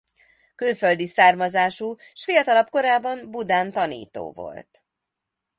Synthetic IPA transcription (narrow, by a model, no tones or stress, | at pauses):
kylføld̪isaːrmɒzaːʃuːʃfijɒt̪ɒlɒpko̞ɾaːbɒmbud̪aːnt̪ɒnḭːt̪o̰ːvo̞̰lt̪